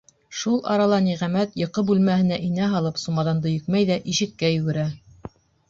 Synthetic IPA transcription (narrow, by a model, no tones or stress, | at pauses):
ʃulˠɑ̰ɾɑlˠɑniʁæmæt̪jɤ̆qɤbʉlmæhɘ̆næʔinæɦɑlˠɤpsumɑðɑnd̪ɤ̆jɵ̆kmæjðæʔiʃɘ̆t̪̚kæjɵ̆ɡɘ̆ɾæ